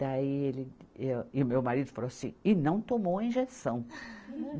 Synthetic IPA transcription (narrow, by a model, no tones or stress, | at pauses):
aielɪewɪʊmewmaɾid̪ʊfaloasḭ̃ɪnɐ̃w̃t̪omowɐĩʒesɐ̃w̃